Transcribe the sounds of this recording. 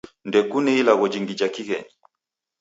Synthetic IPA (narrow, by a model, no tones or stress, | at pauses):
ndɛkunɛilaɣɔd͡ʒiŋɡid͡ʒakiɣɛɲi